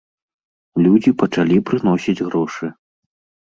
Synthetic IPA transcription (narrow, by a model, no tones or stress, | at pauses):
lʲud͡zʲipɐt͡ʂalʲipɾɨnɔsʲid͡zʲɣɾɔʂɨ